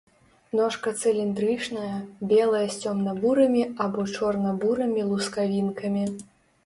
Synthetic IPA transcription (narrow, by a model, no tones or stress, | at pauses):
nɔʂkɐt̪sɨlʲind̪ɾɨt͡ʂnɐjɐbʲɛlˠɐjɐsʲt͡sʲɔmnɐbuɾɐmʲiabɔt͡ʂɔrnɐbuɾɐmʲilˠuskavʲinkɐmʲi